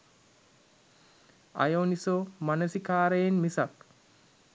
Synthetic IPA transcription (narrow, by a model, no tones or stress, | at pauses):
ɐ̰jownisomɐnɐsikaːɾejenmisɐk